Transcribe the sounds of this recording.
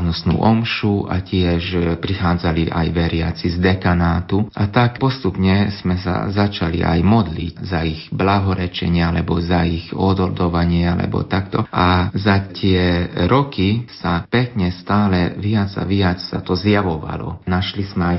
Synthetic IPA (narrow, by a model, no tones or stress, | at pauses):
nɔsnṵːʔɔmʃuʔa̰cɪɛʃpɾixaːd͡zaliʔa̰jʋɛɾɪa̰t͡sizd̪ɛkanaːt̪uʔat̪akpɔst̪upɲɛz̥mɛsa̰zat͡ʃalḭʔa̰jmɔd̪lḭczaiɣblaɦɔɾɛt͡ʃɛ̰ɲɪaalɛbɔzaiɣɔd̪ɔld̪ɔʋaɲɪɛalɛ̰bɔ̰t̪akt̪ɔʔazat̪ɪɛɾɔkisapɛkɲɛst̪aːlɛʋɪad͡za̰ʋɪiat͡ssat̪ɔzjaʋɔʋa̰lɔ̰naʃlizmɛaj